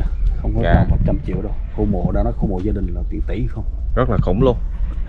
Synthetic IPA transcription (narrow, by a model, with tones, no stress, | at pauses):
xə˧wŋ͡mkɔ˨˦˨aː˨˩mo˨˩t̚t͡ɕa˧mt͡ɕḭ˧˨əwɗo˧wxo˧mo̰˨˩ɗa̰ː˧˦nɔ˨˦jxo˧mo̰˨˩zaː˧ɗï˨˩ŋ̟laː˨˩t̪wi˨ənt̪ḭ˧˩˦hxə˧wŋ͡mzə˦˥laː˨˩xʊ̰˧˩wŋ͡mlu˧ən